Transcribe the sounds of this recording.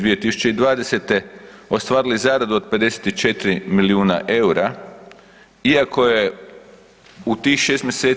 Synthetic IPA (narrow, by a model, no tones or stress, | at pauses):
ʋije̞t̪isu̥t͡ɕe̞id̪ʋaːd̪ese̞t̪e̞ost̪ʋaːɾilizaːɾad̪uod̪̚pe̞d̪e̞se̥t̪it͡ʃet̪ɾimiliuːna̰ʔe̞uɾa | iakʰo̞je̞ | ut̪ixʃeːst̪mjeseː